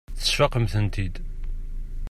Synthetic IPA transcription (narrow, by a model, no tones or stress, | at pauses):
θə̥ʃɑqəmθənt̪id̪